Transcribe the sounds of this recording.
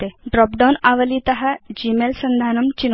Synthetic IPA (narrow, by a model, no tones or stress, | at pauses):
t̪eɖɾɔːpɖawnaʋəlit̪ɐɦad͡ʑiːmelsɐnd̪ʱaːnɐmt͡ɕin